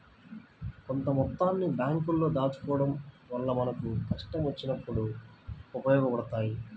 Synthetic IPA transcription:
ko̞nt̪ɐmɔt̪ːaːnːibjaːŋkulːo̞ːd̪aːt͡ʃu̥kɔːɽɐm | ʋɐɭːɐmɐnɐkukɐʂʈɐmʋɐt͡ʃːinɐpːuɽu | upɐjɔːɡɐpɐɽɐt̪aːji

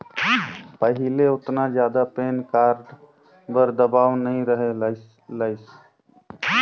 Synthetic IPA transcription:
pəɦɪleʊt̪nad͡ʒjaːd̪apeːnkaːɾɖ | bəɾd̪əbaːʋnəɦĩɾəɦe | ləɪs

